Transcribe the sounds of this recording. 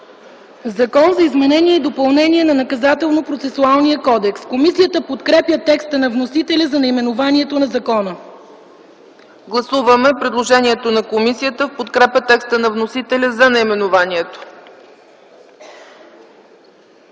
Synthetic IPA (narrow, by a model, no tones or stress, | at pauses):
zɐkɔnzɐizmɛnɛniɛid̪opɐlˠnɛniɛnɐnɐkɐzat̪ɛlˠnopɾot̪sɛsualˠnijəkɔd̪ɛkskomisijət̪əpot̪kɾɛpjət̪ɛkst̪ənɐvnosit̪ɛlʲəzɐnɐjmɛnovaniɛt̪onɐzɐkɔnə | ɡlˠɐsuvəmɛpɾɛd̪lˠoʒɛniɛt̪onɐkomisijət̪əfpot̪kɾɛpʲət̪ɛkst̪ənɐvnosit̪ɛlʲəzɐnɐjmɛnovaniɛt̪o̥